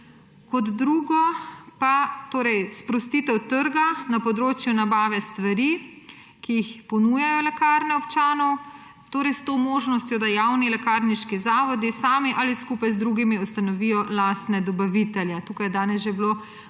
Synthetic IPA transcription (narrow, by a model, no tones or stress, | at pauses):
kɔd̪ːɾuːɡɔpat̪oːɾɛjspɾɔst̪iːt̪ɛwt̪əɾɡanapɔd̪ɾoːt͡ʃjunabaːʋɛst̪ʋaɾi | kijixpɔnujajɔlɛkaːɾnɛɔpt͡ʃaːnɔw | t̪oːɾɛjst̪omoːʒnɔst̪jɔd̪ajawnilɛkaɾniʃkizaːʋɔd̪isaːmiʔaliskuːpajzd̪ɾuːɡimiust̪anɔʋiːjɔlast̪nɛd̪ɔbaʋit̪ɛljɛt̪uːkajɛd̪aːnɛsʒeblo